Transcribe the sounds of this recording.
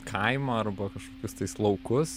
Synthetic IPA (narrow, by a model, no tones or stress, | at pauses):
kʰɐɪmɐɐɾbɐkɐʃkoːkʲʊst̪ɐɪslˠɐʊkʊs